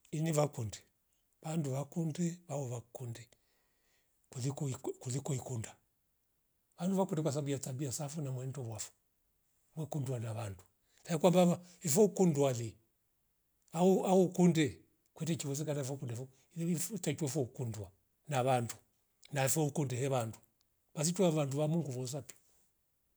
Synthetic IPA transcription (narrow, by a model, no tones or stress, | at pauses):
iniβakundɛ̥ | βanduʋakundɛβaɔβakundɛ | kikkuðikɔikunda | ʋanduʋakundɛkwas̬abujatabiasafunamwɛndɔβwafɔ̥ | mwɛkundwanaβandu | saikwambaaɛfɔukundwali | auaukundɛ | kwɛtɛt͡ʃiwɔs̬ɛkanaɛfɔkundafɔ | tat͡ʃwɛfɔukundwa | naβandu | naɛfɔukundɛhɛβandu | βas̬itwuaβanduʋamuŋɡuβɔs̬api̥